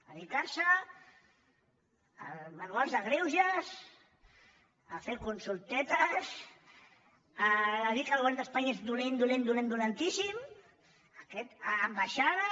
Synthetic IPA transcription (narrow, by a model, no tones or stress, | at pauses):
əðikaɾsə | manualˠzðəɣɾewʒas | afeɾkunsulˠt̪ɛt̪əs | aːðikalɣɛld̪əspaɲaezðulend̪ulend̪ulend̪ulant̪isim | akɛt̪aːmbaʃaða